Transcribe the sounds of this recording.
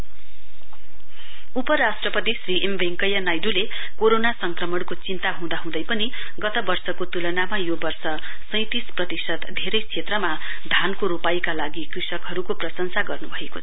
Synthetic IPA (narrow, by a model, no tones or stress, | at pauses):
upʌɾasʈrʌpʌd̪esriʔembeŋkʌjʌnajɖule | koɾonasʌŋkrʌmʌɽkot͡sint̪aɦũd̪aɦũd̪ʌjpʌni | ɡʌt̪ʌbʌrsʌkot̪ulʌnamajobʌrsʌ | sʌ̃j̃t̪isprʌt̪isʌt̪d̪ʱeɾʌjt͡sʰet̪rʌma | d̪ʱankoɾupajkalaɡikrisʌkɦʌɾukoprʌsʌnsaɡʌrnubʱʌekot͡sʰʌ